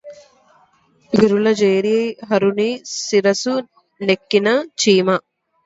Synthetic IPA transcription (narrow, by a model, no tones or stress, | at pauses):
ʋiɾulɐd͡ʒeːɾijɐjɦɐɾunisiɾɐsu | nekːinɐt͡ʃiːmɐ